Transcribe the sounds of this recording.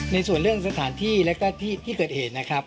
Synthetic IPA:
na˧jsu˨˩ənɾɯ˥˩əŋsa˧t̪ʰaː˩˦nt̪ʰiː˥˩lɛ˦˥kɔː˥˩t̪ʰiː˥˩t̪ʰiː˥˩kɤː˨˩t̪̚heː˨˩t̪̚na˦˥kʰɾa˦˥p̚

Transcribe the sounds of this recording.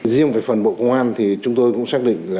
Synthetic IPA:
zi˧əŋvaː˨˩fə˨˩nɓo̰˧˨kə˧wŋ͡mʔaː˧nt̪ʰi˨˩t͡ɕʊ˨˦ŋ͡mt̪o˧jkʊ̰˧˥ŋ͡msaː˦˥k̚ɗḭ˧˨ŋ̟laː˨˩

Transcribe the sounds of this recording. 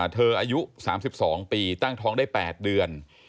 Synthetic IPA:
t̪ʰɤː˧ʔaː˧ju˦˥ʔsa̰ː˩˦msi˨˩p̚sɔː˩˦ŋpiː˧t̪a˥˩ŋt̪ʰɔː˦˥ŋdaː˥˩jpɛː˨˩t̪̚dɯ˧ən

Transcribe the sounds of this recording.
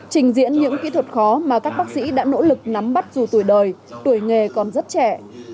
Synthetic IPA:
t͡ɕï˨˩ŋ̟zḭ˧˥ənɲɨ̰˧˥ŋkḭ˧˥t̪ʰwə˨˩t̚xɔ˨˦maː˨˩kaː˦˥k̚ɓaː˦˥k̚sḭ˧˥ɗa̰ː˧˥no̰˧˥lɨ˨˩k̚na˨˦mɓa˦˥t̚zu˨˩t̪u˧˩əjɗəː˨˩jt̪u˧˩əjŋe˨˩kɔ˨˩nzə˦˥t̚t͡ɕɛ˧˩˨

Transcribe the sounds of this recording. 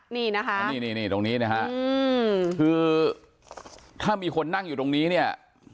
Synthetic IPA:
niː˥˩na˦˥kʰa˦niː˥˩niː˧˥˩niː˥˩t̪o˧ŋniː˦˥na˦˥kʰa˦˥ʔkʰɯː˧ | t̪ʰaː˥˩miː˧kʰo˧nːa˥˩ŋjuː˨˩t̪o˧ŋniː˦˥ni˥˩ɐə

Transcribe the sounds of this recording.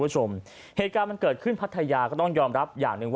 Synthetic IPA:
t͡ɕʰo˧m | heː˨˩t̪̚kaː˧nma˧nkɤː˨˩t̪̚kʰɯ˥˩npʰa˦˥t̪ʰːa˧jaː˧kɔː˥˩t̪ɔ˥˩ŋjɔː˧mɾa˦˥p̚ja̰ː˨˩ŋnɯ˨˧ŋw

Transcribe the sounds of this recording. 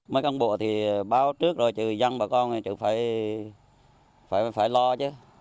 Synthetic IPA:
məː˨˦jka˧nɓu˧˩ət̪ʰi˨˩ɓaː˧wt͡ɕɨ˦˥ək̚zo˨˩jt͡ɕɨ̰˧˨˩za˧ŋɓaː˧˩wkɔ˧n˨t͡ɕɨ̰˧˨faː˧˩j | faː˧˩faː˧˩jlɔ˧t͡ɕɨ˨˦

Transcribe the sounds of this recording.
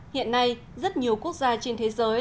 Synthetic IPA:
hḭ˧˨ənːa˧j | zə˦˥t̚ɲi˨˩əwku˦˥ək̚zaː˧t͡ɕe˧nt̪ʰe˨˦zəː˨˦j

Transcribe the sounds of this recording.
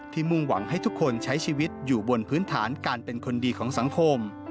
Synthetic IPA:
t̪ʰiː˧˩mu˥˧ŋwa˩˦ŋɦa˥˩jt̪ʰu˦˥kʰːo˧nt͡ɕʰa˦˥jt͡ɕʰiː˧wi˦˥t̪̚juː˨˩bo˧npʰɯː˦˥nt̪ʰa̰ː˩˦nkaː˧npe˧nkʰo˧ndiː˧kʰɔː˩˦ŋsa˩˦ŋkʰo˧m

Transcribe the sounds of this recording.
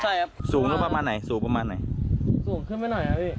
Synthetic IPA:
t͡ɕʰa˥˩ja˦˧suː˨˩˦ŋnɯː˦˥˩pa˧maː˧nːa˨˩˦jsuː˨˦ŋpa˧maː˧nːa˨˩˦jsu˨˩˦ŋkʰɯ˥˩nma˥˩jnɔ˨˩jkʰa˦˥ʔiː˥˩

